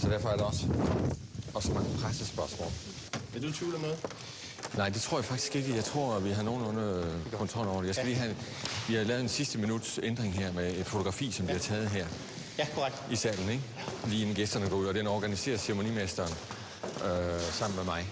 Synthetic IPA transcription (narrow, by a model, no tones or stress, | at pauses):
sɒ̽d̥æɐfɒ̽æɐɾ̥eɒ̽s | ɒ̽smɑ̈ŋpʰʁasəsb̥ɶɐsmɔ̰ːl̥ | eɐd̥ut͡sʰiːləmeðˠ | nɑ̈ɪ̰d̥e̝t͡sʰʁo̝ɐ̰jɑ̈fɑ̈ɡ̥d̥i̥sɡ̥e̝ɡ̥əjɑ̈ɪt͡sʰʁo̝ɐ̰ʋiɦɑ̈no̝ːn̩ɔnəkʰɔ̽nt͡sʰʁɒ̽l̰ɒʊ̰ɐ̥ɾejɑɪsɡælḭːɦæ | ʋihɑlɛːʊð̩ˠensisd̥əminud̥send̥ʁeŋɦæɐ̰meed̥fo̝t͡sʰo̝ɡʁɑ̈fḭːsɒmd̥iɑt͡sʰɛːð̞̩ˠɦæɐ̰ | kʰaɡ̥d̥isɛ̰ːln̩eɡ̥ | liːenɡ̥esd̥ɐnəɡ̥ɒ̰uð̰ˠɒd̥enɒːɡ̥ænise̝̰ːɐsemo̝nḭmesd̥ɐːn | øsɑ̈m̰n̩memɑ̈ɪ